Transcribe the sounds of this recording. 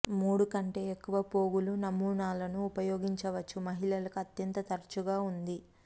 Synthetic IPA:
muːɽukɐɳʈe̞ːekːuʋɐpo̞ːɡulunɐmːuːɳaːlɐnuːpɐjo̞ːɡiɲt͡ʃɐʋɐt͡ʃːumɐɦiɭɐlɐkuɐt̪jɐnt̪ɐt̪ɐɾt͡ʃuɡaːund̪i

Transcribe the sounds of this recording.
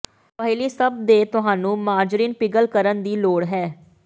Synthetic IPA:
pəɦɪliːsəb̚d̪eːt̪ʊɦãːnũːmaːɾd͡ʒɾiːnpɪɡəlkəɾənd̪iːloːɽɦɛː

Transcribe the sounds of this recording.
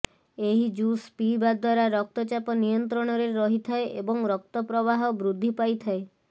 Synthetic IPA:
eɦid͡ʒuspibad̪waɾaɾɔk̚t̪ɔt͡ʃapɔnijɔnt̪̬ɾɔɽ̃ɔɾeɾɔɦit̪ʰaeʔebɔŋɾɔk̚t̪ɔpɾɔβaɦɔbɾud̪ʱːipajt̪ʰae

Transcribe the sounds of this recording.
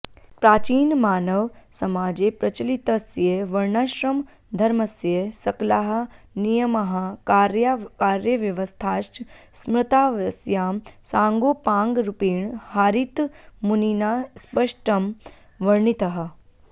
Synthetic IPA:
pɾaːt͡ʃiːnmaːnəʋsɐmaːd͡ʒepɾɐt͡ʃɐlit̪ɐsjeʋɐɾɳaʃɾɐm | d̪ʱɐɾmɐsjesɐklaɦɐ̆ | nijɐmɐɦɐkaɾjakaːɾjəʋjɐʋəst̪ʰaːʃ | smɾɪt̪aːʋɐsjaːmsãːŋɡoːpãːŋɡɾupiːɳhaːɾit̪muninaspəʂʈɐm | ʋɐɾɳit̪ɐɦɐ̆

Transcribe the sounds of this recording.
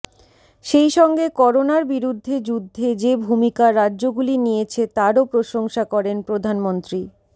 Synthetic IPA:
ʃejʃɔŋɡekɔɾonaɾbiɾud̪ʱːed͡ʑud̪ʱːed͡ʑebʱumikaɾadʑoɡulinijet͡ɕʰet̪aɾopɾoʃoŋʃakɔɾenpɾod̪ʱanmont̪ɾi

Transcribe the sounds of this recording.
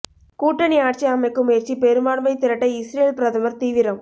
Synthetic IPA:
kuːʈːɐniaːʈ̚t͡ʃiɐmɐɪkːɯmʊjɐɾt͡ʃipɛɾɯmbaːɽʋɐɪt̪ːɪɾɐʈːɐɪsɾeːlpɪɾɐðɐmɐɾt̪iːʋɪɾɐm

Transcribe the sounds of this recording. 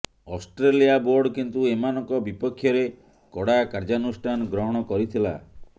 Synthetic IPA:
ɔsʈɾelijaboɾɖkint̪uemanɔŋkɔbipɔkʰːjɔɾe | kɔɽakaɾd͡ʒanusʈʰanɔɡɾɔɦɔɽ̃ɔkɔɾit̪ʰila̰

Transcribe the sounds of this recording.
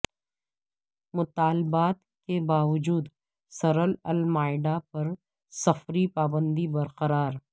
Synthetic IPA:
mʊt̪aːlɪbaːt̪ | kebaːʋɐd͡ʒuːd̪ | sɐɾəlɐlmaːɪɖapɐɾ | sɐfɾipaːbə̃nd̪ibɐɾqəɾaːɾ

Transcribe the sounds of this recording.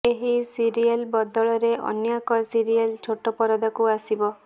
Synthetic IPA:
eɦisiɾielbɔd̪ɔɭɔɾeʔɔ̰njakɔsiɾialt͡ʃʰoʈɔpɔɾɔd̪akuasibɔ

